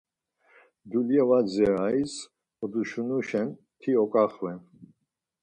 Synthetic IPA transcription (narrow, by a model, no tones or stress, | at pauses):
d̪uljɛvad͡zɛɾais | ɔd̪uʃunuʃɛn | t̪ʰiɔkʼaχvɛn